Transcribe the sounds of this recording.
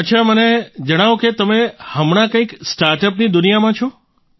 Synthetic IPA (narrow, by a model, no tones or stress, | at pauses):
ətːʃʰaməned͡ʒəɽ̃aʋoket̪əmehəmɳ̃akə̃iksʈaɾʈəpnid̪ʊnijamãt͡ʃʰɔ